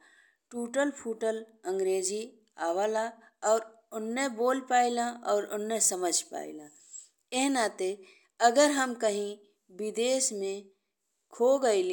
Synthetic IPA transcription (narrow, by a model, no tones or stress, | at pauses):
ʈuːʈəlpʰuːʈələ̃ŋɡɾeːd͡ʒi | aːwala | ɔːɾ | ʊnːeboːlpaːilaʔɔːɾʊnːesəməd͡ʒʱpa̰ːḭlaː | eɦnaːt̪e | əɡəɾɦəmkɐɦĩ | bɪd̪eːsmẽ | kʰoɡəil